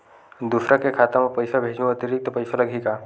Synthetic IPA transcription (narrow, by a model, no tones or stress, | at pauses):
d̪ʊsɾakekʰaːt̪amepɐɪsabʱeːd͡ʒnuɐt̪ɪɾɪk̚t̪opɐɪsalɐɡʱeːɡaː